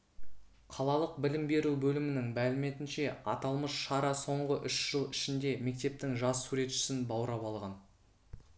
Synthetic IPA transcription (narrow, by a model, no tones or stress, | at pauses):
qʰɑlˠɑlˠəq̚bɪlɪmbe̞ɾubɵlɪmɪnɪŋmælɪme̞t̪ɪnʃe̞ɑ̰t̪ɑlˠməsʃɑɾɑso̞ɴʁəʔʏʃʒ̥əlˠɪʃɪnd̪e̞me̞k̚t̪e̞p̚t̪ɪŋʒɑsːuɾe̞t̪ʃɪ̥sɪnbɑwɾɑpɑlˠʁɑn